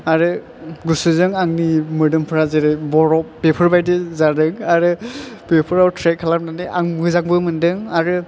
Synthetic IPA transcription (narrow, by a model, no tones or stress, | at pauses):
aɾɯ | ɡusɯzɯŋaŋnimɯdɯmpʰɯɾazeɾɯbɔɾɔppepʰɯɾbajdezadɯŋaɾɯpepʰɯɾawtʰɾek̚ʰalam̚naniʔaŋbɯzaŋbɯmɯndɯŋaɾɯ